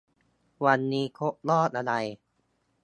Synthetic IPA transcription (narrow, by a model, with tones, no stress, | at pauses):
wa˧nːiː˦˥kʰo˦˥ʔ̚lɔː˥˩t̪̚ʔa˧ɾa˧j